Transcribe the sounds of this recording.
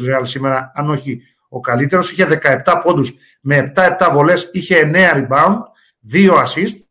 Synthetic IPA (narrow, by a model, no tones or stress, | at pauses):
ɾeɐlsime̞ɾɐːno̞çi | o̞kɐlit̪e̞ɾo̞si̥çe̞ðe̞kɐep̚t̪ɐpo̞nd̪us | me̞ːpt̪ɐe̞p̚t̪ɐvo̞le̞siçe̞ːne̞ɐɾibɐund̪ | ðio̞ɐsist̪